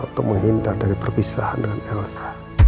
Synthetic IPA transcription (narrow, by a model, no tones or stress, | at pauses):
ut̪ʊk̚məŋɦint̪ardaɾipərpisaha̰ndəŋanaŋlsḁ